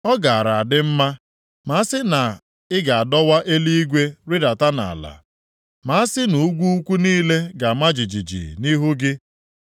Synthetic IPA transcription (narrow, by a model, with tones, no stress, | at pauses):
ɔ˦ɡa˨a˨ɾa˨a˨dɪ˦m̩˦ma˦ | ma˨˦sɪ˦na˨ | ɪ˦ɡa˨a˨dɔ˦wa˦ʔe˦li˦i˦ɡʷe˦ɾɪ˦da˨ta˦na̰˨a̰˨la̰˨ | ma˨˦a˦sɪ˦nu˨u˦ɡʷu˦u˦kʷu˦niː˦le˦ɡa˨ma˦d͡ʒi˨d͡ʒi˨d͡ʒḭ˨ni˦ɦu˦ɡɪ˦